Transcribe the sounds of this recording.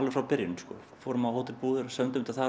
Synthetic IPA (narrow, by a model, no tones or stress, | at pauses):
lʏfɾawpɪɾjɪnʏ̥skɔ̰ | foːɾʏmahoːwt̪ɪɾpuːðʏɾsœmnt̪ʏmt̪aθa